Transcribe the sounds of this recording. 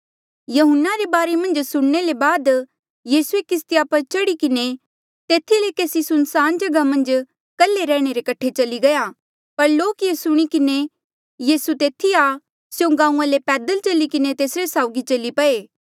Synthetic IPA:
jɐɦʊnːaɾebaːɾemɐ̃nd͡ʒsʊɽ̃nelebaːd̪ | jiːsuekɪs̬t̪ijapɐɾt͡ʃɐɽikɪne | t̪eːt̪ʰilekeːsisʊnsaːnd͡ʒɐɡamɐ̃nd͡ʒ | kɐlːeɾɛ̃ːɽ̃eɾekɐʈʰːet͡ʃɐliɡɐja | pɐɾloːkjesʊɽ̃ikɪne | jiːsut̪eːt̪ʰia | sjõɡãːũãlepɛːd̪əlt͡ʃɐlikɪnet̪eːsɾesaːʊɡit͡ʃɐlipɐeː

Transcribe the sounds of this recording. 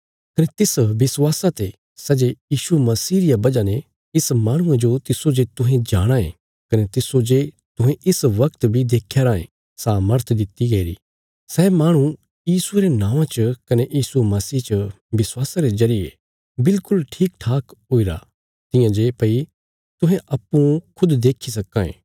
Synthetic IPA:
kɐnet̪ɪsʋɪswaːsat̪e | sɛːd͡ʒejiːʃumɐsiːɾɪjabɐd͡ʒanẽ | ɪsmaːɽ̃ʊ̃ãd͡ʒot̪ɪsod͡ʒet̪ʊɦẽd͡ʒaːɽ̃aḛ̃ | kɐnet̪ɪsod͡ʒe | t̪ʊ̃ɦẽʔɪsʋɐkt̪bʱid̪eːkʰjaɾaːḛ̃ | saːməɾt̪ʰd̪ɪt̪ːiɡɐiɾḭː | sɛːmaːɽ̃u | jiːsueɾenãːʋãt͡ʃkɐnejiːsumɐsiːt͡ʃə | ʋɪswaːsaɾezɐɾɪjḛ | bɪlkʊlʈʰiːk̚ʈʰaːkɦoːiɾa̰ | t̪ɪjãd͡ʒepɐi | t̪ʊɦẽʔɐpːũkʰʊd̪d̪eːkʰis̬ɐkːãːḛ̃ː

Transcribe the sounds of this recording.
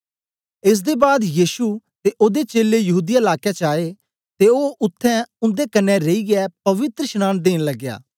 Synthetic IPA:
ɪs̬d̪eːbaːd̪jiːsut̪eʔoːd̪et͡ʃeːlejɐɦuːd̪ijaɪlaːkjɛt͡ʃaːe | t̪eoːʔʊt̪ʰːɛ̃ʊ̃nd̪ekɐnɛ̃ɾeiɡɪɛpɐʋɪt̪ɾəʃnaːnd̪eːnləɡːja̰ː

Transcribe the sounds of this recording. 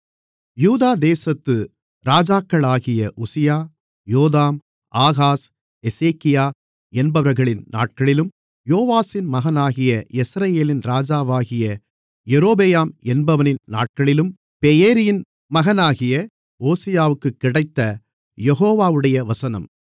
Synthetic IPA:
juːðaːd̪eːsɐt̪ːɯ | ɾaːd͡ʒaːkːɐɭaːɣɪjɐʔʊsɪjaː | joːðaːm | aːɣaːs | ɛseːkːɪjaː | ɛnbɐʋɐɾɣɐɭɪnna̰ːʈ̚kɐɭɪlɯm | joːʋaːsɪnmɐɣɐnaːɣɪjɐɛsɾɐjeːlɪnɾaːd͡ʒaːʋaːɣɪjɐ | jɛɾoːbejaːmɛnbɐʋɐnɪnna̰ːʈ̚kɐɭɪlɯm | pɛjeːɾɪjɪn | mɐɣɐnaːɣɪjɐ | oːsɪjaːʋɯkːɯkːɪɽɐɪt̪ːɐ | jɛɣoːʋaːʋɯɽɐjɐʋɐsɐnɐ̰m

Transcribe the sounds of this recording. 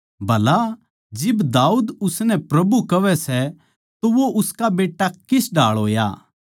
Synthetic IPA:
bʱɐla | d͡ʒɪbd̪aːuːd̪ʊsnɛpɾɐbukɐʋɛsɛ | t̪oʋoʔʊskabeːʈːakɪsɖaːɭɦoːja̰ː

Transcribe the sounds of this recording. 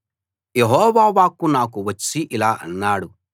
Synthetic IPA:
jeɦɔːʋaːʋaːkunaːkuʋɐt͡ʃːiʔilaːʔɐnːaːɽu

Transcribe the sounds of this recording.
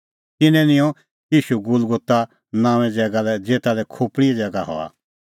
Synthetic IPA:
t̪ɪnɛ̃nɪ̃jɔ̃ | jiːʃuɡʊlɡʊt̪a | nãːʋ̃ɛ̃d͡zɛːɡalɛd͡zeːt̪alɛkʰoːpɽiɛd͡zɛːɡaɦɔ̰a̰

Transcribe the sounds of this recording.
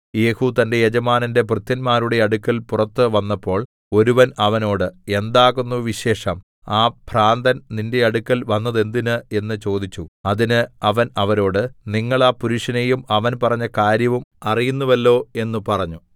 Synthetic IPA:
je̞ːhut̪ɐnde̞jed͡ʑɐmaːnɐnde̞prɨt̪jɐnmaːɾuɽe̞ɐɽukːɐlpurɐt̪ːɨʋɐnːɐpːo̞ːɭ | o̞ɾuʋɐnɐʋɐno̞ːɽɨe̞nd̪aːɣunːuʋiɕe̞ːʂɐm | aːb̥ʱraːnd̪ɐnninde̞ɐɽukːɐlʋɐnːɐðe̞nd̪inɨe̞nːɨt͡ɕo̞ːd̪it͡ɕːuɐðinɨɐʋɐnɐʋɐɾo̞ːɽɨniŋːɐɭaːpuɾuʂɐnejumɐʋɐnpɐrɐɲːɐkaːɾjɐʋumɐrijunːuʋɐlːo̞ːe̞nːupɐrɐɲːu

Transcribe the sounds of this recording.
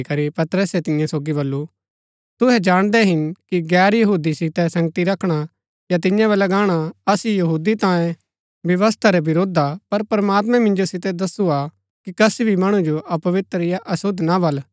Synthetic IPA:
kɐɾipɐt̪ɾəsɛt̪ɪ̃jãsoːɡibɐlːu | t̪ʊɦɛd͡ʒaːɽ̃d̪ɛɦɪnkiɡɛːɾjɐɦuːd̪isɪt̪ɛsɐ̃ŋɡt̪iɾɐkʰɽ̃a | jat̪ɪ̃jãβɛlɐɡaːɽ̃aɐsijɐɦuːd̪it̪ãːjẽ | bjɐʋəst̪ʰaɾɛbɪɾoːd̪ʱapɐɾpɾɐmaːt̪mɛ̃mɪ̃nd͡ʒosɪt̪ɛd̪ɐsua | kikɐsbʱimɐɽ̃ũd͡ʒoʔɐpɐʋɪt̪ɾəɪjaʔɐsʊd̪ʱnabɐl

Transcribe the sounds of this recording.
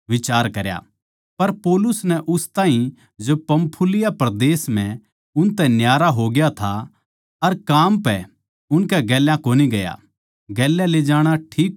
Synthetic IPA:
ʋɪt͡ʃaːɾkɐɾja̰ | pɐɾpoːlʊsnɛʔʊst̪ãːɦĩ | d͡ʒopɐ̃mpʰʊlɪjapɾɐd̪eːsm̤ɛ̃ | ʊnt̪ɛ̃njaːɾaɦoɡɪjat̪ʰa | ɐɾkaːmpɛ | ʊnkɛɡɛːljãkoːniɡɐja̰ | ɡɛːlːɛled͡ʒaːɽ̃aʈʰiːk

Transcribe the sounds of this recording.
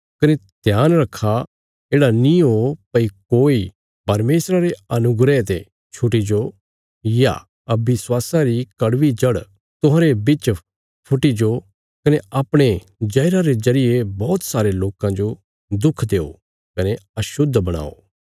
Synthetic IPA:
kɐned̪̥ʱjaːnɾɐkʰːa | eːɽaniɦopɐikoːi | pɐɾmeːsɾaɾeɐnʊɡɾet̪e | t͡ʃʰʊʈ̬id͡ʒo | ja̰ | ɐbɪswaːsãɾikɐɽʋid͡ʒɐɽ | t̪ʊɦãːɾebɪt͡ʃ | pʰʊʈːid͡ʒo | kɐneʔaːpɽ̃e | d͡ʒɐjɾaɾezɐɾɪjebɔːt̪saːɾeloːkãd͡ʒo | d̪ʊkʰd̪eːo̰ | kɐneɐʃʊd̪ʱːbɐɽ̃a̰ːo̰

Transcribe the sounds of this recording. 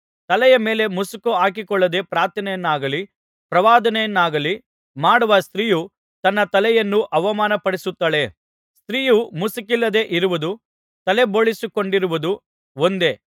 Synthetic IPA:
t̪ɐlɛjɐme̞ːle̞musukuaːk̬ikɔɭːɐd̪e̞ːpɾaːɾt̪ʰɐnɛjɐnːaːɡɐli | pɾɐʋaːd̪ɐnɛjɐnːaːɡɐli | maːɽuʋɐst̪ɾiːju | t̪ɐnːɐt̪ɐlɛjɐnːuʔɐʋɐmaːnɐpɐɽisut̪ːaːɭe̞ | st̪ɾiːjumusukilːɐd̪e̞ʔiɾuʋud̪u | t̪ɐle̞bo̞ːɭisuko̞ɳɖiɾuʋud̪u | ond̪e̞

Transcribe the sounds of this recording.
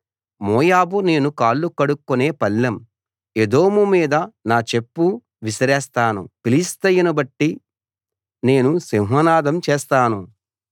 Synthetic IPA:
mɔːjaːbune̞ːnukaːɭːukɐɽukːuneːpɐlːɐm | ed̪o̞ːmumiːd̪ɐnaːt͡ʃe̞pːu | ʋisɐɾɛːst̪aːnṵpilist̪ɐjɐnɐbɐʈːi | ne̞ːnusimɦɐnaːd̪ɐmt͡ʃeːst̪aːnu

